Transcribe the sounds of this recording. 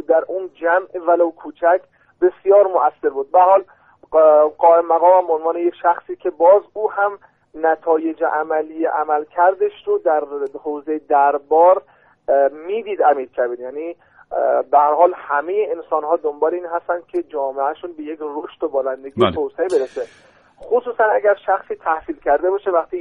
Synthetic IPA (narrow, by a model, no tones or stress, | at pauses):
d̪æɾʔuːnd͡ʒæmʔevælowkʰuːt͡ʃʰækʰ | be̞sjɒːɾmoʔæsːe̞ɾbuːd̪̚bææɾhɒːl | ɡɒːemmæɣɒːmæmboonvɒːnejekʃæxsiːkʲʰe̞bɒːzuːhæm | næt̪ʰɒːje̞d͡ʒeʔæmæliːjeʔæmælkʰæɾd̪eʃɾod̪æɾhoːzejed̪æɾbɒːɾ | miːd̪iːd̪æmiːɾkʲʰæbiːɾjæniː | bæhæɾhɒːlhæme̞jeensɒːnhɒːd̪ombɒːleiːnɦæst̪ænd̪̥̚kʰʲe̞d͡ʒɒːmeʔæʃuːnbe̞je̞kʰɾoʃt̪obɒːlænd̪e̞ɡiːet̪ʰoseebe̞ɾese | xosuːsænæɡæɾʃæxsiːt̪ʰæhsiːlcʰæɾd̪e̞bɒːʃevæxt̪ʰiː